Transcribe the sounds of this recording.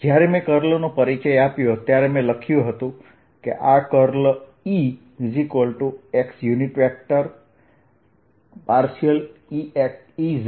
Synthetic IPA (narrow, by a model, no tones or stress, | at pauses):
d͡ʒjaɾemẽkəɾlonopəɾit͡ʃəjapjot̪jaɾemẽləkʰjũɦət̪ũ | kḛʔakəɾli | zikəlʈueksjuniʈʋek̚ʈəɾ | paɾʃijəliek | iz